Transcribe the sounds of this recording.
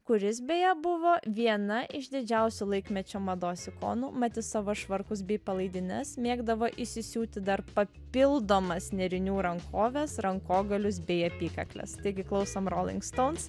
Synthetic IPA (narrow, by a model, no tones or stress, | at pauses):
kʊɾʲɪs̬bʲejɛbʊʋoːʋʲiɛnɐʔɪʃd̪ʲɪd͡ʒʲɛʊsʲulˠɐɪkmʲɛt͡ʃʲoːmɐd̪oːsʲɪko̰ːnuːmɐt̪ʲɪssɑʋoʃʋɐɾkʊs̬bʲɛɪpɐlˠɐɪd̪ʲɪnʲɛsmʲeːɡd̪ɐʋoːʔɪʃsʲɪsʲuːt̪ʲɪd̪ɐɾpɐpʲɪlˠd̪oːmɐsnʲɛɾʲɪnʲuːɾɐŋkʰoːʋʲɛsɾɐŋkoːɡɐlʲʊs̬bʲɛɪɐpʲiːkɐ̰klʲɛ̰st̪ɐɪɡʲɪklˠɐʊsomɾoːlʲɪ̰ŋkst̪oʊns